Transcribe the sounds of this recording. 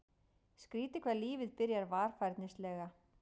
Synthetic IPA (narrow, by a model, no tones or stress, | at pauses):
skɾiːt̪ɪkʰvɛːɾliːvɪðpɪɾjaɾvaːɾ̥fajɾt̪nɪslɛːɣa